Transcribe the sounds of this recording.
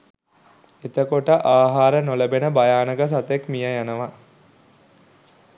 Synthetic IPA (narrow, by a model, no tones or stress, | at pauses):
et̪əkoʈəʔaːɦaːɾənoləbenəbajaːnəɡəs̬at̪ekmijəjanəʋa